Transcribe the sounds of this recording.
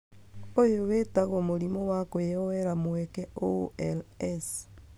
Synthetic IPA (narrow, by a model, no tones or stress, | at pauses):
ojoɣetaɣomoɾimowakojeowɛɾamwɛkɛoeles